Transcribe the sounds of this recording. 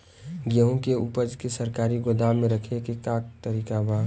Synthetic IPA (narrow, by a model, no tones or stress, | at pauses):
ɡəɦõkeupəd͡ʒkesəɾkaːɾiɡod̪amẽɾəkʰekekaːkt̪əɾiːkabʱaː